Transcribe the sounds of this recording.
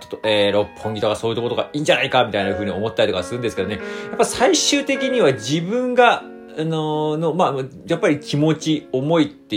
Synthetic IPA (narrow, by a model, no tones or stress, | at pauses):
t͡ɕo̥t̪ːoeːɾo̞pʰːõ̞ŋɡʲit̪okaso̞ːjɨ̟t̪okoɾoɡa̰iːɲ̟d͡ʑanaikamʲit̪ainaɸɯ̟ːɲ̟io̞mo̞t̪ːaɾʲit̪kaasɨɾɯ̟nd̪sɨ̥ke̞d̪o̞ne̞japːaisaiɕɨːt̪e̞kʲiɲ̟iβad͡ʑibɯ̟̃ŋɡa | anono̞ma | japːaɾʲikʲimo̞t͡ɕio̞mo̞it̪ːe